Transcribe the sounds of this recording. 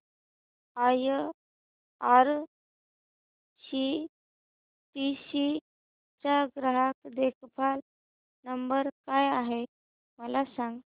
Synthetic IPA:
aj | aɾ | ɕi | ʈiɕi | t͡ɕaɡɾaɦakd̪ekʰpʰal | nəmbəɾkajaɦe | məlasãŋɡ

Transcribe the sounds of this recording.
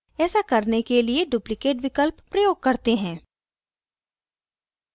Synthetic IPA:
ɛːsakɐɾnekelieɖʊplɪkeːʈʋɪkəlpːɾɐjoːɡ̚kɐɾt̪eɦɛ̃ː

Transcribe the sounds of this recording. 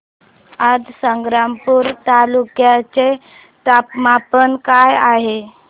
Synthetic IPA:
adsəŋɡɾampuːɾt̪alukjat͡se | t̪apmapənkajaɦe

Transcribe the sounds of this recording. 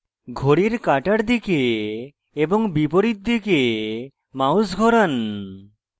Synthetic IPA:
ɡʱoɽiɾkaʈaɾd̪ikeː | boŋbipoɾit̪̚d̪ike | mawsɡʱɔɾan

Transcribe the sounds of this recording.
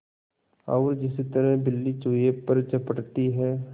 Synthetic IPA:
aːɾd͡ʒɪsit̪əɾɛɦbɪlːit͡ʃoːjepɐɾt͡ʃɐpəʈt̪iɦɛː

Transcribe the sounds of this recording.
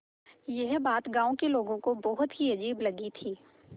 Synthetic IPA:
jɛɦbaːt̪ɡãːõkeloːɡõkobɔɦʊt̪ɦiɐd͡ʒiːblɐɡit̪ʰiː

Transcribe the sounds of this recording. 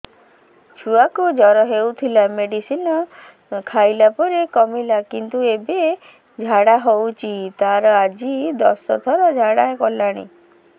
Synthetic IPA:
t͡ʃʰuakud͡ʒɔɾɔɦewt̪ʰilameɖisinɔ | kʰajlapɔɾekɔmilakint̪uebe | d͡ʒʱaɽaɦowt͡ʃʰit̪aɾɔad͡ʒid̪ɔsɔ̰t̪ʰɔɾɔd͡ʒʱaɽaekɔlaɽ̃ḭ

